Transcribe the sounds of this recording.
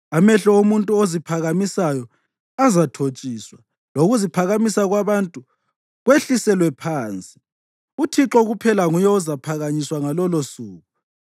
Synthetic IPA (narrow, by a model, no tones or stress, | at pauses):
amɛɬɔumuntʼuozipʰaɣamisajɔ | azatʰot͡ʃʼiːswa | loɣuzipʰaɣamisaɣwaβantʼu | ɣweɬisɛlwɛpʰaːnt͡sʼi̥ | utʰiǁɔɣupʰɛlaŋujɔuzapʰaɣaɲiswaŋalɔlosuːɣu